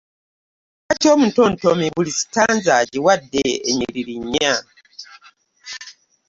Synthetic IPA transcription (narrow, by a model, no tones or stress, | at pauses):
katiomuntontomiβulisi̥tanzaɟiwadːeeɲiɾiɾiɲːa